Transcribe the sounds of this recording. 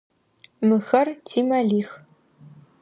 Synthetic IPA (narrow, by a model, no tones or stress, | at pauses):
mɨxɐrtʰiːmɐɮiːx